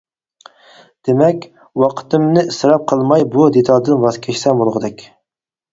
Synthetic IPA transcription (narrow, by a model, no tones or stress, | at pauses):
d̪̥emɛkʲ | wɑqʰə̥t̪ɨmnɨɪsɾɑp̚qʰəlˠmɑjbud̪et̪ʰɑlˠd̪ɨnbɑskʲʰɛʃsɛmbolˠʁəd̪ɛkʲ